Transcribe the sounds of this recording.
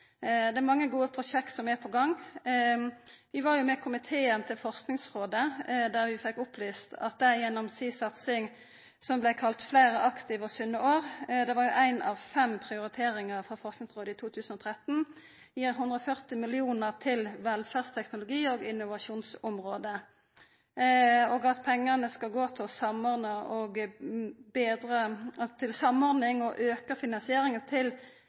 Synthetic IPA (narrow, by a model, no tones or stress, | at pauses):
d̪ɛæʁmɑŋːəɡuːəpʰʁʊʃɛkt̪sɔmɛpʰɔɡɑŋː | ʋɪʋɑʁjʊmɛkʰʊmɪt̪ʰeːənt̪ʰɪlfɔʁsknɪŋsʁoːd̪əd̪æːʁʋɪfɛkːʊplyːst̪ɑ̰t̪̚d̪ɛjɛnːɔmsiːsɑt̪sɪŋ | sɔmblæɪkʰɑlt̪flæɪʁəʔɑkt̪ɪʋɔsʉnːəoːɾd̪ɛʋɑʁjʊʔæɪnɑʋfɛmpʰʁɪʊɾɪt̪ʰeːɾɪŋəʁfɔʁfɔʁsknɪŋsʁoːd̪əɪːt̪ʰuːt̪ʰʉːsənɔːt̪ʰʁɛt̪n̩ | ɪɦʉnd̪ʁəɔfœʁt̪ɪmɪlɪuːnəʁt̪ʰɪlʋɛlfæːʁst̪ʰɛknʊlʊɡiːoːɡɪnːʊʋɑʃuːnsʊmʁoːd̪ə | ɔːɡɑt̪pʰɛŋːənəskɑlɡoːt̪ʰɪlɔsɑmɔʁd̪nəɔɡ | beːd̪ʁət̪ʰɪlsɑmːɔʁd̪nɪŋɔʔøːkəfɪnɑnsɪeːɾɪŋənt̪ʰɪl